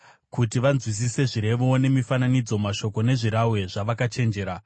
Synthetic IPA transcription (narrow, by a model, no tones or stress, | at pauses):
kutiʋanzwis̬ise̞ʐiɾe̞ʋo̞ne̞mifananid͡zo̞maʃo̞ko̞ne̞ʐiɾawe̞ʐaʋakat͡ʃe̞nd͡ʒe̞ːɾa